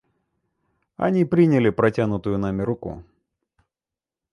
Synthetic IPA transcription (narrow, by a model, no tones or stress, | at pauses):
ɐ̰nʲipɾʲinʲɪlʲɪpɾɐtʲanʊt̪ʊjʊnamʲɪɾʊkṵ